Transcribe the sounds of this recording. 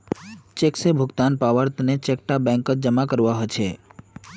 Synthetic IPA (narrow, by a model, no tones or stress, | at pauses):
t͡ʃeksebʱʊɡt̪anpaʋəɾt̪net͡ʃek̚ʈabɛ̃ŋkət̪̚d͡ʒəmakəɾʋaɦət͡ʃʰe